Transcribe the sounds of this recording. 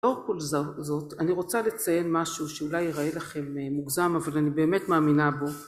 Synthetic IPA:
oʁkolzozo̞taniʁo̞t͡sale̞t͡saje̞nmaʃuʃeulajeʁaelaχe̞mːuɡzamavalanibe̞ːmetmaːminabo̞

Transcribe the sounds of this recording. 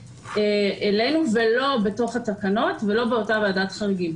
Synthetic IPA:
eʔele̞jnuvelo̞be̞to̞χatakano̞tve̞lo̞beo̞taveadatχaʁiɡim

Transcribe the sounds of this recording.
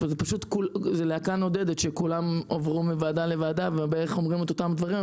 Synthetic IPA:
vzepaʃut̪kulzeleakano̞d̪e̞d̪et̪ʃekulamovʁumivaːd̪ale̞vaːd̪avebeeʁeχo̞mʁimet̪o̞t̪amd̪vaʁi

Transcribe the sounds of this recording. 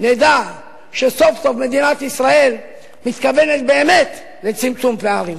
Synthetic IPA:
ned̪a | ʃe̞so̞fso̞fme̞d̪inat̪isʁae̞l | mit̪kave̞net̪̚be̞ːme̞t̪ | le̞t͡simt͡sumpeaʁim

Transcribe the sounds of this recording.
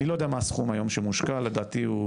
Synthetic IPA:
ilo̞jodeamaːsχumajo̞mʃemuʃkalːed̪aːt̪iu

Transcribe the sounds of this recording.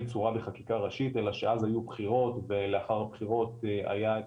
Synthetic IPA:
t͡suʁabeχakikaʁaʃit̪e̞laʃeazajubχiʁo̞t̪veleaχaʁhabχiʁo̞t̪a̰ja

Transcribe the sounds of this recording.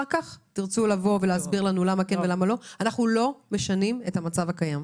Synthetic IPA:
kaχtiʁt͡sulavo̞veleazbiʁlanulamakenvelamalo̞anaχnulo̞me̞ʃanime̞thamat͡savakajam

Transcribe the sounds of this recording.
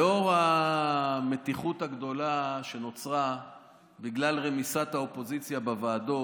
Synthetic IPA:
o̞ʁa | me̞t̪iχut̪haɡd̪o̞laʃe̞no̞t͡sʁa | biɡlalʁemisat̪haopo̞zit͡sjabevaːdo

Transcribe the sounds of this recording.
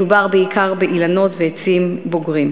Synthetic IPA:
ubaʁbeikʰaʁbeʔilano̞tveet͡simboɡʁim

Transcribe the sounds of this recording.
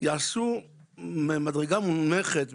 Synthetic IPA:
jaʕasu | memad̪ʁeɡamumeχet̪

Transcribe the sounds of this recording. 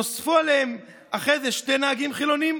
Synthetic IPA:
osfualehem | aχe̞jzeʃte̞jnaaɡimχilo̞nim

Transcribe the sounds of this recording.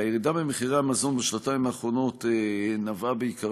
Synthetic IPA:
ajeʁidabemeχiʁamazo̞nbeʃlataimaːχʁo̞no̞tenavabeika

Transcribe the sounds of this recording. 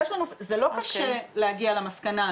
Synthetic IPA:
ɛʃlanuzelo̞kaʃelehaɡialamaskana

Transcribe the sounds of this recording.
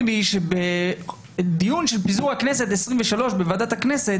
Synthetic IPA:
viʃebe | d̪ijunʃelpizuʁhakneset̪esʁiɱveʃalo̞ʃbevadat̪akneset

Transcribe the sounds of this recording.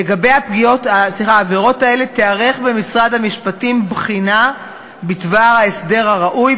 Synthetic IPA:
eɡabe̞japɡijotasliχaːveʁo̞tae̞le̞t̪eaʁe̞χbe̞misʁadhamiʃpatimbχina | bitvaʁhaesde̞ʁhaʁaʔuj

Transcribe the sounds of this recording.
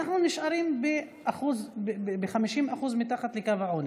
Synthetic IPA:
aχnunɪʃʔaɾiːmbe | ʔaxuzbexamiʃimʔaxuzmit̪aχat̪lekavaʕuni

